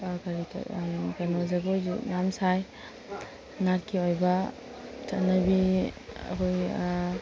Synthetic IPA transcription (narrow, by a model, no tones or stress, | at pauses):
kaɾḭɡanɔzaɡɔnamsaj | natkʰiojba | tʰanabiɐ̰kʰoj